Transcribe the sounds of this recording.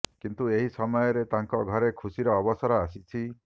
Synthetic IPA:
kint̪ueɦisɔmɔjɔɾet̪aŋkɔɡʱɔɾekʰusiɾɔːbɔsɔɾɔasit͡ʃʰi

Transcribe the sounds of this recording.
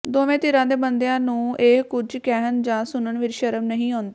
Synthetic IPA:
d̪oːʋẽːt̪ɪɾãːd̪eːbənd̪ejãːnũːeːkʊd͡ʒkɛːɦənd͡ʒãːsʊnəɳʋɪt͡ʃʃəɾəmnəɦĩːoːnd̪eː

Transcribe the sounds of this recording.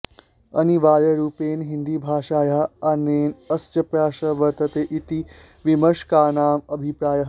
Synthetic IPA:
ɐ̰niʋaːɾjəɾuːpeːnɦind̪iːbʱaːʂaːjaɐneːnəst͡ɕɐpɾaːʃəʋəɾt̪ət̪eːʔit̪i | ʋiməʂkaːnaːməbʱipɾaːjəɦ

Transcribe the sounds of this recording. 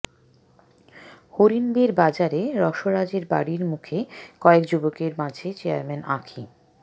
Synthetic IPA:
hoɾinbeɾbad͡ʑaɾeɾɔʃoɾad͡ʑeɾba̰ɽiɾmukʰekɔekd͡ʑubokeɾmãd͡ʑʱet͡ɕeaɾmenʔa̰kʰi

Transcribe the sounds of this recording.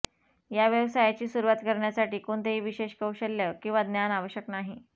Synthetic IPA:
jaʋjəʋsajat͡ɕiːsuɾʋat̪kəɾɳjasaʈiːkoɳt̪eɦiːʋiɕeɕkəuɕəlːjəkĩw̃ʋad̪njanaʋəɕjəknaɦi

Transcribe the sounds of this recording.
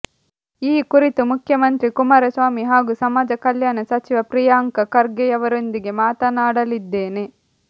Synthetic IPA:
iːkuɾit̪umukʰjɐmɐnt̪ɾikumaːɾɐsʋaːmiɦaːɡusɐmaːd͡ʒɐkɐljaːnɐsɐt͡ʃiʋɐpɾijaːŋkɐkɐɾɡɛjɐʋɐɾond̪iɡe̞maːt̪ɐnaːɽɐlid̪ːeːne̞

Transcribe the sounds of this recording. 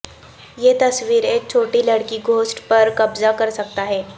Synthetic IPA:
jet̪ɐsʋiːɾeːk̚t͡ʃʰoːʈilɐɽkiɡʱoːsʈpɐɾkɐbzakɐɾsɐk̚t̪aɦɛː

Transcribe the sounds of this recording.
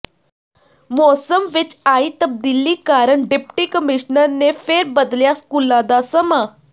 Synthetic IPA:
mosəmʋit͡ɕait̪əb̚d̪ilːiːkaɾəɳɖepʈiːkəmiɕnəɾnefeɾbəd̪ljaskulãd̪asəma

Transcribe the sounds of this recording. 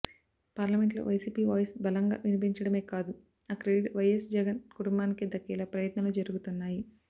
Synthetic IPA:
paːɾlɐme̞ɳʈlo̰ːʋɐjsiːpiːʋaːjsbɐlɐŋɡa̰ːʋinipiɲt͡ʃɐɽɐme̞ːkaːd̪u | ɐkɾeɖiʈʋɐjesd͡ʒɛɡɐnkuʈumbaːnikid̪ɐkːiːlɐpɾɐjɐt̪nɐlud͡ʒɐɾuɡut̪unːaːji

